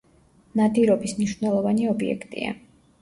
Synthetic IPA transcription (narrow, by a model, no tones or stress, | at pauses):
nad̪iɾɔbismniʃvnɛlˠɔvaniɔbiɛ̰kʰt̪ʼḭa̰